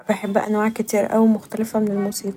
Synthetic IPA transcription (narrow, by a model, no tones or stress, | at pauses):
beħebːæ̰ʔæ̰nwaːʕkɪt̪iːɾʔæ̰wimoxt̪ælefæmenelmuːsiːq